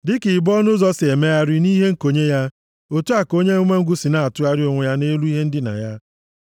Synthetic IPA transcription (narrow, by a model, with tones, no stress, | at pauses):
dɪ˦ki˨bɔ˦nʊ˦zɔ˦sɪ˨e˨me˦ja˦ɾɪ˦ni˦ɦe˦ŋ̩˦˨ko˨ɲe˦ja˦ | o˨tu˦a˨ko˦ɲe˦ʊ˦mʷe˦ŋ̩˦ɡʷu˦si˨na˦a˨tʊ˦a˦ɾɪ˦o˨ŋʷe˨ja˦ne˦lu˦i˦ɦe˦n̩˦dɪ˦na̰˨ja˦